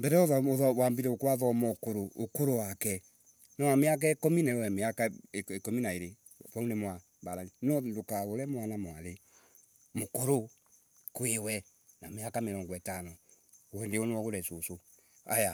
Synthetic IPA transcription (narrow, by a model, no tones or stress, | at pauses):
mbɛɾɛoðaoðawambiɾɛokwaðɔmɔkoɾookoɾowakɛ | nɔnameak̬aekominɛwɛmeakaeekominaeɾe | paunemwa | baɾaninɔndokaɣoɾɛmwanamwale | mokoɾo | kwewɛ | nameakameɾɔŋɡɔɛtanɔ | ɛndeonewɔɣoɾɛsoso | aja